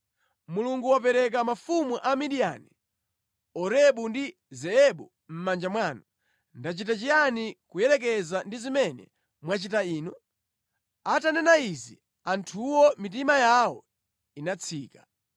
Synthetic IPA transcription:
muluŋɡuwap̬ɛɾɛk̬amafumuʔamiɗija̰ni | ɔɾɛɓundi | zɛɛɓu | m̩mand͡ʒamwaːnu | ndat͡ʃitat͡ʃijanikujɛlɛkɛzandizimɛnɛ̰ | mwat͡ʃitaiːnɔ | atanɛnaizi | antʰuwɔmit̬imajawɔ̰ | inat͡sʰiːkḁ

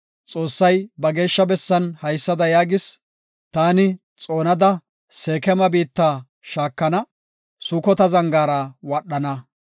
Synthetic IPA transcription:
t͡sʼo̞ːsːɐjbɐɡe̞ːʃːɐbɛsːɐnhɐjsːɐd̪ɐjaːɡɪs | t̪aːnɪ | t͡sʼo̞ːnɐd̪ɐ | seːkɛmɐbiːt̪ːaː | ʃaːkːɐnɐ | sʊːkɔt̪ɐzɐŋɡaːɾɐwɐɗːɐnɐ

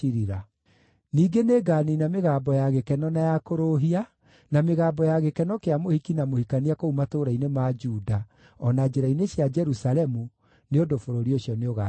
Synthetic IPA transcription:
iɾiɾa | niːɡeneːɡaːninameɣaːmbɔjaɣekɛnɔnajakoɾoɦia | nameɣaːmbɔjaɣekɛnɔkeamohikinamohikaniakoumatoːɾainemad͡ʒuda | ɔnad͡ʒeɾaineɕjad͡ʒɛɾusaɾɛmu | neodofoɾoɾioɕjɔneoɣa

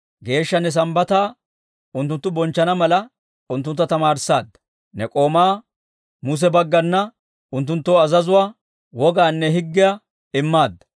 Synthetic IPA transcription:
ɡe̞ːʃːɐnːɛs̬ɐmbɐt̪aː | ʊnt̪ːʊnt̪ːʊbɔnt͡ʃːɐnɐmɐlɐ | ʊnt̪ːʊnt̪ːɐt̪ɐmaːɾsaːd̪ːɐ̥ | nɛkʼo̞ːmaː | mʊs̬ɛbɐɡːɐnːɐ | ʊnt̪̬ːʊnt̪ːoːɐzɐzʊwaː | wɔɡaːnːɛɦɪɡːɪjɐ | ɪmːaːd̪ːɐ̥

